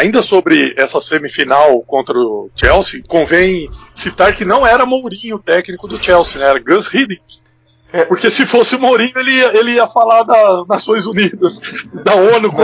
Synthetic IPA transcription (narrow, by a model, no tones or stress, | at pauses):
aĩnd̪ɐsobɾɪɛsɐsẽmɪfinawkõnt̪ɾɐʊt͡ʃɛwsikõvẽj̃sit̪aɾkɪnɐ̃w̃ɛɾɐmowɾĩɲʊt̪ɛknikʊd̪ʊt͡ʃɛwsinɛ̃ɛɾɐɡɐ̃shid̪ĩ | poɾkesɪfosɪmowɾĩɲʊelɪiɐelɪiɐfalaɾd̪ɐznasõj̃zunid̪ɐsd̪ɐõnʊk